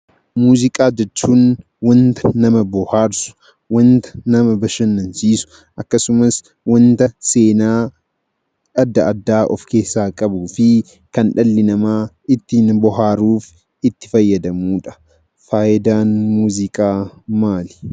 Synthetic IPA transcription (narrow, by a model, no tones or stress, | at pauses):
muːzɪkʼaːd͡ʒɛt͡ʃːuːn | wɐnt̪ɐ̥nɐmɐbɔhaːɾsʊ̥ | wɐnt̪ɐ̥nɐmɐbɐʃɐnːɐnsiːsʊ̥ | ʔɐkːɐsʊmɐs | wɐnt̪ɐse̞ːnaː | ɐd̪ːɐʔɐd̪ːaːʔɔ̰fke̞ːsːaːkʼɐbuːfɪ | kɐnᶑɐlːɪnɐmaː | ɪt̪ːiːnbɔɦaːɾuːf | ɪt̪ːɪ̥fɐjːɐd̪ɐmuːᶑɐ̥ | faːʔɪd̪aːnmuːzɪkʼaːmaːlɪ̥